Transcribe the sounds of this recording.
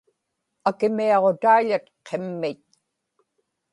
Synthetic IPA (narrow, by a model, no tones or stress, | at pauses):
akɪmiɑʁot̪aiʎat̪qʰemːɪt̪̚